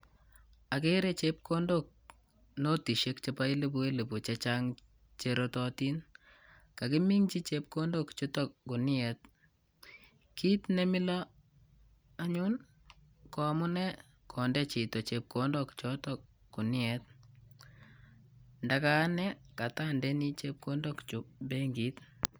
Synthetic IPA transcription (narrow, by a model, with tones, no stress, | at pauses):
a˨ke˦ɾe˦t͡ʃe˦p̚kʰo˦ndo˦k̚ | no˦ti˨ʃe˦kt͡ʃe˨pa˦i˦le˦bu˦e˦le˨bu˨t͡ʃet͡ʃaŋ | t͡ʃeɾotɔ˦ti˦n | ka˨kɪ˦mi˦ŋt͡ʃi˦t͡ʃe˦p̚ko˦ndo˦kt͡ʃe˦tɔ˨ku˨nɪ˦ɛ˨t̚ | ki˦tne˦mɪ˦lɔ˦ | a˦ɲu˦n | kɔ˨mʊ˦nɛ˦ | kʰɔ˨ndɛ˦t͡ʃi˨tɔ˨t͡ʃe˨p̚kʰo˦ndɔ˦kt͡ʃɔ˦tɔk | kːu˨nɪ˦ɛ˨t̚ | ndaka˦nɛ˦ka˨ta˦ndɛ˦ni˦t͡ʃe˦p̚ko˦ndɔ˦kt͡ʃu˨be˦ŋɡi˨˦t